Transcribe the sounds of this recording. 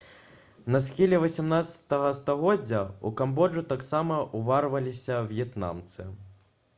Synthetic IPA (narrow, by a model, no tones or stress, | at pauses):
nɐsxʲilʲɛvɐsʲamnat̪sɐ̥t̪ɐɣɐst̪aɣɔd͡zʲːɐukambɔʐut̪aksamɐʔuvarvɐlʲisʲɐvjɛt̪na̰mt̪sɨ̰